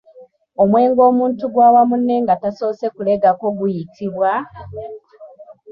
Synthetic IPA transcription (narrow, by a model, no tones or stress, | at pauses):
o̞mwe̞ːŋɡo̞ːmuːntuɡwaːwamunːe̞ŋɡatasoːse̞kule̞ɡako̞ɡujitʰiβwa